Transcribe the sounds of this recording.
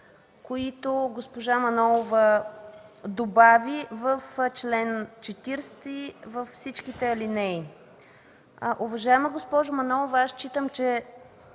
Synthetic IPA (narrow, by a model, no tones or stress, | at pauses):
koit̪oɡospoʒamɐnɔlˠovə | d̪obavivəft͡ʃlɛnt͡ʃɛt̪iɾst̪ivəfsit͡ʃkit̪ɛɐlinɛj | ʔʊvɐʒaɛməɡospɔʒʊmɐnɔlˠovəast͡ʃit̪əmt͡ʃɛ